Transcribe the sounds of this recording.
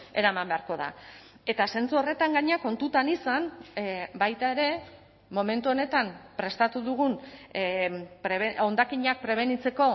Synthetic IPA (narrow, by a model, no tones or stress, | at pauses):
e̞ɾamambe̞aɾko̞ða̰ | e̞t̪ase̞nt͡suo̞re̞t̪aŋɡaɲako̞nt̪ut̪anisan | bajt̪ae̞ɾe̞ | mo̞me̞nt̪uo̞ne̞t̪ampɾe̞st̪at̪uðuɣ̞un | pɾeβeo̞nd̪akiɲak̚pɾe̞β̞e̞nit͡se̞ko̞